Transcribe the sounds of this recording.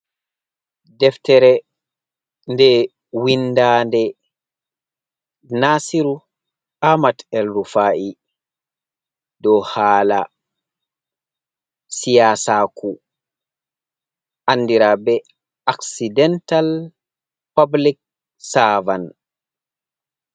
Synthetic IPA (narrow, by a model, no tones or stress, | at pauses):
dɛftɛɾɛ | ndɛ | windaːndɛ | nasiɾu | amatɛlɾufaːʔi | dɔhaːla̰ | sijasakʰu | ʔanːdiɾabɛ | ʔaksidɛntal | pablik̚ | savan